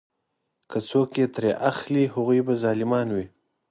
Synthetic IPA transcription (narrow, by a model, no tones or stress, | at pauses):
kʰət͡sokjet̪ɾeʔaxliɦaɣujbazɑlɪmɑnwi